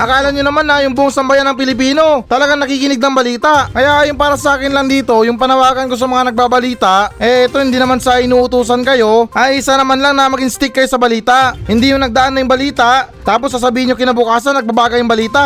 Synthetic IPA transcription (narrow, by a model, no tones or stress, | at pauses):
ʔɐkaːlɐnɲonɐmanːɐjʊŋbʊʔoŋsɐmbɐjanːɐŋpɪlɪp̬iːno̞t̪ɐlɐɡaŋnɐkiːkɪnɪɡ̚nɐŋbɐliːt̪aʔkɐjaʔɐjonpaːɾɐsɐʔaːkɪnlɐŋd̪iːt̪o̞jʊŋpɐnɐwaːɡɐnko̞s̬ɐmɐŋanɐɡ̚babɐliːt̪ɐʔʔɛʔɛt̪o̞hɪnd̪iːnɐmansɐʔɪnuːʔʊt̪uːs̬ɐnkɐjo̞ʔɐjʔɪsanɐmanlaŋnɐmɐɡɪŋst̪ɪk̚ːɐjo̞sɐbɐliːt̪aʔhɪnd̪iːjʊŋnɐɡ̚d̪ɐʔanːɐjʊŋbɐliːt̪aʔt̪aːpo̞sːɐs̬ɐbiːhɪnɲokɪnɐbʊkaːsɐnːɐɡ̚bɐbaːɡɐjʊŋbɐliːt̪aʔ